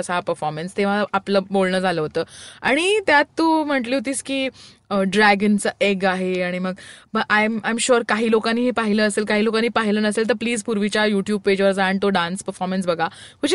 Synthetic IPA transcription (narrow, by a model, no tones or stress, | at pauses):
əsɦapəɾfɔɾmenst̪eʋ̤aaapləːbolɳəːd͡zʱaləːɦot̪əːaɽ̃it̪jat̪ːuːm̤əʈliːɦot̪iːskiː | əɖɾæɡənt͡səːʔeɡaɦeaɽ̃iməɡbəʔajmajmɕuɾkaɦiːlokaniːɦepaɦiləːəselkaɦiːlokaniːpaɦiləːnəselt̪̬əɾpliːd͡zpuɾʋit͡ɕjajuʈjuːb̚ped͡ʑʋəɾd͡zaɳt̪oɖanspəɾfɔɾmens̬bəɡʱakud͡ʑ